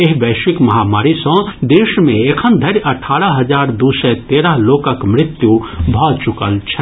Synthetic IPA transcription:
eɦbəːʃʋikmɐɦamaːɾisə̃d̪eːʃmẽekʰənd̪ʱəɾjɐʈʰːaːɾəɦəd͡ʒaːɾd̪usɛt̪eːɾəɦloːkəkmɾɪt̪jubʱɔt͡ʃukəlt͡ʃʰɛ

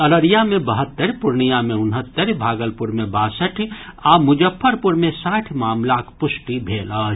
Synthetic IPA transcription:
ɐɾəɾijamẽbɐɦət̪ːəɾpʊɾɳijamẽʊnɦət̪ːəɾbʱaːɡəlpʊɾmẽbaːsəʈʰiamʊd͡ʒəpʰːəɾpʊɾmẽsaːʈʰmaːmlakʰpʊsʈibʱeːlaː

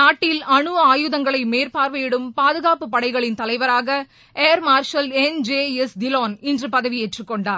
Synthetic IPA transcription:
naːʈːɪlɐɳɯɐaːjɯðɐŋɡɐɭɐɪmeːɾpaːɾʋɐɪɽɯmpaːðɯɣaːpɯpːɐɽɐɪɣɐɭɪnt̪ɐlɐɪʋɐɾaːɣɐ | eːɾmaːɾʂɐlɛnd͡ʒeːɛsd̪ɪloːnɪndrɯpɐðɐʋieʈrɯkːɔɳɖaːɾ

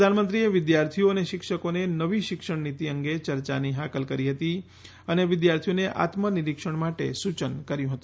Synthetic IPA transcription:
pəd̪ʱanmə̃nt̪ɾieʋɪd̪jaɾt̪ʰijoəneʃɪkʃəkonenəʋiʃɪkʂəɳnit̪iəŋɡet͡ʃəɾt͡ʃa̰niɦakəlkəɾiɦət̪i | əneʋɪd̪jaɾt̪ʰijoneʔa̰t̪məniɾikʂəɳmaʈḛsut͡ʃənkəɾjũɦət̪ũ̥

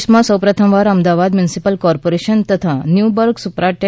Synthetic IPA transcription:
smãsəwpɾət̪ʰəmʋaɾəmd̪aʋad̪mjunisipəlkɔɾpoɾeʃənt̪ət̪ʰanjubəɾksupɾaʈ

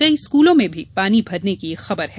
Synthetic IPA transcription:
kɐiskuːlõmẽbʱipaːnibʱɐɾnekiexɐbəɾɦɛ

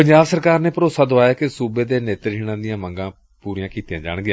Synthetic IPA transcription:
əɲd͡ʒaːbsəɾkaːɾneːpəɾoːsaːd̪oaːjaːkɪsuːbeːd̪eːneːt̪əɾɦiːɽãːd̪ɪjãːməŋɡãː | puːɾijãːkiːt̪jãːd͡ʒa̰ːɽɡɪjãː

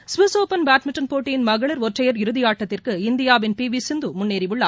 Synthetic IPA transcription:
sʋɪsoːpɐnbaːʈmɪʈːɐnpoːʈːɪjɪnmɐɣɐɭɐɾɔʈrɐjɐɾɪɾɯðɪjaːʈːɐt̪ːɪrkɯɪnd̪ɪjaːʋɪnpiːʋisɪnd̪ɯmʊnːeːɾɪʋɯɭːa̰ː

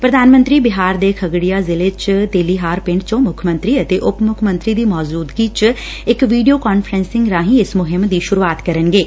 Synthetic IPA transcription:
pɾəd̪aːnmə̃nt̪ɾiːbɪɦaːɾd̪eːkʰəɡɽijaːzɪlet͡ʃt̪eːliːɦaːɾpɪ̃ɳɖt͡ʃõːmʊkʰmə̃nt̪ɾiːət̪eːʔʊpmʊkʰmə̃nt̪ɾiːd̪iːmɔːd͡ʒuːd̪ɡiːt͡ʃ | ɪkʋiːɖijoːkaːnfʰəɾɛ̃nsɪ̃ŋɡɾãːɦĩːɪsmʊɦɪmd̪iːʃʊɾuaːt̪kəɾənɡeː

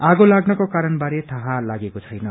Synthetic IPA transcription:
aɡolaɡnʌkokaɾʌnbaɾet̪ʰʌɦalaɡekot͡sʰʌjnʌ

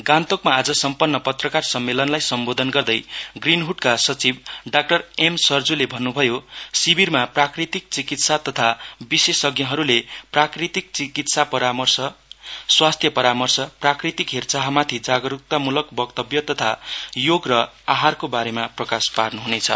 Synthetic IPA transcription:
ɡãnt̪okmaːd͡zʌsʌmpʌnːʌpʌt̪rʌkarsʌmːelʌnlajsʌmbod̪ʱʌnɡʌrd̪ʌjɡrinɦuʈkasʌt͡sibɖak̚ʈʌremsʌrd͡zulebʱʌnːubʱʌjosibirmaprakrit̪ik̚t͡sikit̪sat̪ʌt̪ʰabisesʌɡjʌɦʌɾuleprakrit̪ik̚t͡sikit̪sapʌɾamʌrsʌswast̪ʰjʌpʌɾamʌrsʌprakrit̪ikɦert͡saɦʌmat̪ʰid͡zaɡʌɾuk̚t̪amulʌkbʌkt̪ʌbjʌt̪ʌt̪ʰajoɡrʌ | aɦarkobaɾemaprʌkasparnuɦunet͡sʰʌ̰

